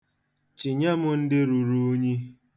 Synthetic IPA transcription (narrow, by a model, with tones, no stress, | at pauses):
t͡ʃi˨ɲa˦mʊ˦n̩˦dɪ˦ɾu˨ɾu˦ɲi˦